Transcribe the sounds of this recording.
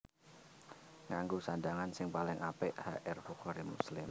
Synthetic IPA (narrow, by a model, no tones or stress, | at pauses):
ŋaŋɡusandaŋansɪŋpalɪŋʔapeʔhaʔɛrfukɔɾimṵslɪm